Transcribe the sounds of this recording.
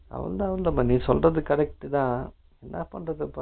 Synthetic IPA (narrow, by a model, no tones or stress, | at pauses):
ɐ̰ʋɐ̰nd̪aɐʋɐnd̪ɐmːɐnĩːsɔlrɐðɯkɐɾɛk̚ʈːɯt̪ãː | ɛnːapɐɳrɐðɯpːɐ